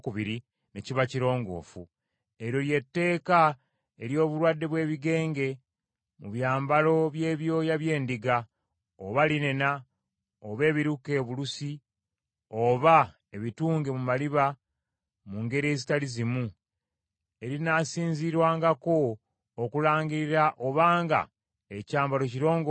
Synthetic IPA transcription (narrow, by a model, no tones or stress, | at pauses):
kuβiɾi | ne̞ciβaciɾo̞ːŋɡo̞̰ːfu | e̞ɾo̞lje̞tːe̞ːka | eɾjo̞ːβuɾwadːe̞βwe̞ːβiɡe̞ːŋɡe̞ | muβjaːmbalo̞βje̞ːβjo̞ːjaβje̞ːndiɡa | oβaline̞na | oβe̞ːβiɾuke̞ːβulusi | o̞βa | e̞βituːŋɡemumaliβa | muŋɡe̞ɾiezitalizimu | e̞ɾinasiːɲziɾwaːŋɡako̞ː | kulaːɲɡiɾiɾaʔo̞βaːŋɡa̰ | ecaːmbalo̞ciɾo̞ːŋɡo